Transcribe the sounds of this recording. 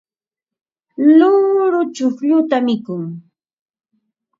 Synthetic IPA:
lʊɾʊt͡ʃʊkʎʊt̪amɪkʊŋ

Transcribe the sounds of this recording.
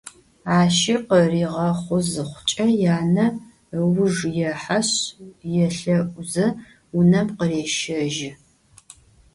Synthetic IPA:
aːʃiqəriːʁɐχʷʊzɨχʷʊt͡ʃʼɐjaːnɐ | wʊʒjɛħaɕjɛɬɐʔʷzɐ | unɐmqəreːʃɐʒɪ

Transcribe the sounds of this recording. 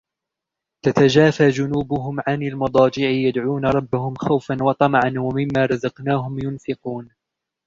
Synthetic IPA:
t̪at̪ad͡ʒaːfaːd͡ʒʊnuːbʊɦʊmʕanalmɑd̪ˤɑːd͡ʒɪʕɪjad̪ʕuːnaɾˤɑbːahʊmxawfanwɑt̪ˤɑmʕanwamɪmːaːɾˤɑzɑqnaːɦʊmjʊnfɪquːn

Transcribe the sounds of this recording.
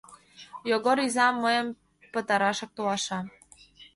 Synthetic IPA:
joɣoɾyzɑmːəjəm | pə̆t̪ɑɾɑʃɤ̆k̚t̪oɑʃɑ

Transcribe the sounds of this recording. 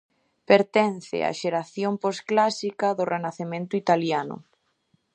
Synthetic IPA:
peɾt̪ɛnθɪ̰a̰ʃeɾaθjomposklasikɐðʊrʔenaθemẽnt̪ʊit̪aljanʊ̰

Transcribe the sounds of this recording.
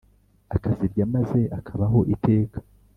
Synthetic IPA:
akaziɾɟamaze̞ʔakʰaβaɦo̞ʔite̞ːkḁ

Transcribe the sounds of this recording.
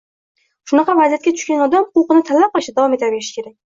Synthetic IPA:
ʃʊnɑqɑvazijat̪kʲat̪ʰʊ̥ʃkʲanɒd̪amʊqʊwqɨnɪt̪ʰalːap̚qɑlˠɪʃad̪avɒmet̪aɾbe̞ɾɪʃɪ̥kʲʰe̞ɾak̚ʲ

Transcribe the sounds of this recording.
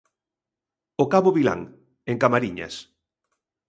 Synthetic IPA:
okaβoβila̰ŋ | eŋkamaɾiɲa̰s

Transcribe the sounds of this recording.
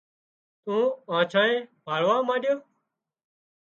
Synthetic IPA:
t̪ũːãːt͡ʃʰãːẽːbʱaːɭʋãːmãːɗjoː

